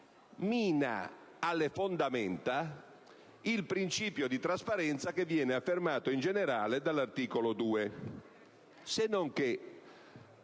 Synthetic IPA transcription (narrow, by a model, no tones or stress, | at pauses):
miːna̰ | alːefond̪amɛnt̪a | ilpɾint͡ʃiːpjod̪it̪ɾaspaɾɛnt̪sakevːjɛːneafːermaːt̪oind͡ʒeneɾaːled̪alːart̪iːkolod̪uːe | senːoŋk̟e